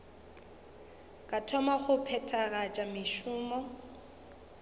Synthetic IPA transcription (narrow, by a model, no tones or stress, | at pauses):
kʼatʰɔmaχʊpʰɛtʰaɣat͡ʃʼamɪʃʊːmɔ